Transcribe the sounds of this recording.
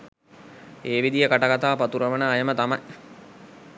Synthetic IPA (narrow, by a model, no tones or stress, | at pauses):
eːʋid̪ijəkaʈaɡat̪aːpat̪uɾəʋənəːjəmət̪amɐj